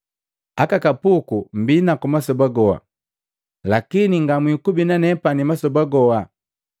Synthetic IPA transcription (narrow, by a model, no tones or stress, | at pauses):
akakapukum̩binakumasɔbaɡɔwa̰ | lakiniŋɡamwikubinanɛpanimasɔbaɡɔa